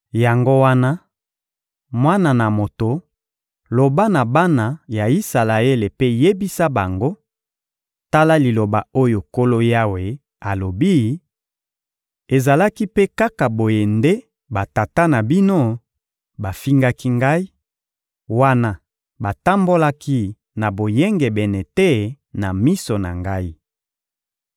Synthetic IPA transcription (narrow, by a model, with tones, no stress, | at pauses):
ja˨ŋɡo˦wa˦na˦ | mwa˦na˨na˨mo˨to˨ | lo˨ba˦na˨ba˦na˨ja˨i˦sa˨la˨e˦le˨pe˦je˦bi˦sa˦ba˨ŋɡo˦ | ta˦la˦li˨lo˨ba˨o˦jo˨ko˦lo˦ja˦we˨ | a˨lo˨bi˦˨ | e˨za˨la˦ki˦pe˦ka˦ka˨bo˨je˨nde˦ | ba˨ta˨ta˦na˨bi˦no˦ | ba˨fi˦ŋɡa˦ki˦ŋɡa˦i˦ | wa˦na˦ | ba˨ta˦mbo˦la˦ki˦ | na˨bo˨jɛ˦ŋɡɛ˨bɛ˨nɛ˨te˦ | na˨mi˦so˨na̰˨ŋɡa˦i˦